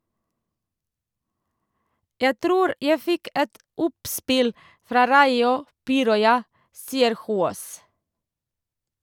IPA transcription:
ˈjæ ˈtɾuːɾ ˈjæɪ ˈfɪk ˈɛt ˈʊpˌspɪl ˈfɾɑː ˈɾɑɪʊ ˈpiːɾɔʏɑ ˈsiːəɾ ˈhuːoːs

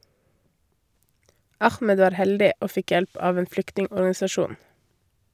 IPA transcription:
ˈɑxmɛd ˈʋɑːɾ ˈhɛldɪ ˈoː ˈfɪk ˈjɛlp ˈɑːʋ ˈeːn ˈflʏktnɪŋɔɾɡɑnɪsɑˌʃuːn

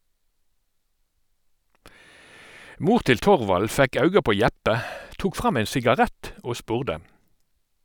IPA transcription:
ˈmuːʁ ˈtɪl ˈtɔʁʋɑl ˈfɛk ˈɑʉɡɑ ˈpoː ˈjɛpə ˈtuːk ˈfʁɑm ˈɛn sɪɡɑˈʁɛt ˈoː ˈspʉːʁdə

